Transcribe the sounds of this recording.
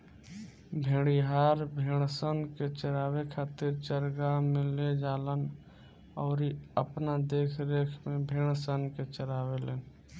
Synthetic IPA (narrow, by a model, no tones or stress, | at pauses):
bʱeːɽ̃iɦaːɾbʱeːɽ̃sənket͡ʃəɾaːwekʰaːt̪ɪɾt͡ʃəɾɡamẽled͡ʒaːlən | ɔːɾiəpnad̪eːkʰɾeːkʰmebʱeːɽ̃sənket͡ʃəɾaːweleːn